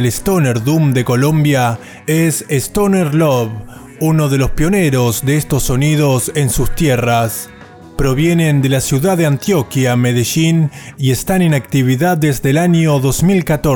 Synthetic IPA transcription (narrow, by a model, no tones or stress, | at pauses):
elest̪oneɾðumd̪e̞ko̞lõ̞mbja | esest̪oneɾloβ | uno̞ð̞e̞lo̞spjo̞ne̞ɾo̞zðe̞est̪o̞sːo̞nið̞o̞se̞nsust̪jeras | pɾo̞βje̞ne̞nd̪e̞lasjuðaðeant̪jo̞kjame̞ðeʃinie̞st̪anenakt̪iβ̞iðaðezðe̞laɲo̞ðo̞zmilkat̪o